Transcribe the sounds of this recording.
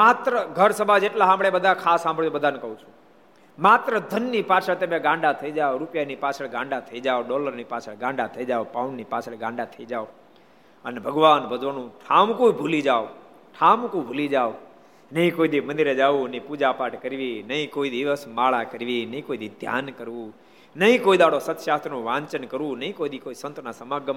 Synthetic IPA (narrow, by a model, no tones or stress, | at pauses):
mat̪ɾəɡʱəɾsəbʱad͡ʒeʈlaɦãmbɭebəd̪ʱakʰasãmbəɭjobəd̪ʱanekəũt͡ʃʰũ | mat̪ɾəd̪ʱənːipat͡ʃʰəɭt̪əmẽɡãɳɖat̪ʰəid͡ʒaoɾupjanipat͡ʃʰəɡãɳɖat̪ʰəid͡ʒaoɖɔləɾnipat͡ʃʰəɡãɳɖat̪ʰəid͡ʒaʋpaunnipat͡ʃʰeɭɡãɳɖat̪ʰəid͡ʒao | ənebʱəɡʋanbəd͡ʒʋənũʈʰaːmkoibʱulid͡ʒaːo | ʈʰaːmkobʱulid͡ʒaːo | nəĩkoːid̪imə̃nd̪iɾed͡ʒaːʋũniːpuːd͡ʒapaːʈkəɾʋiːnəĩkoːid̪iʋəsmaːɭakəɾʋiːnəĩkoːid̪iːd̪ʱja̰ːnkəɾʋũː | nəĩkoːid̪aːɽosət̪ʃaːt̪ɾnõːʋãːɲt͡ʃənkəɾʋũːnəĩkoid̪ikoːisənt̪ʰnaːsəmaɡəm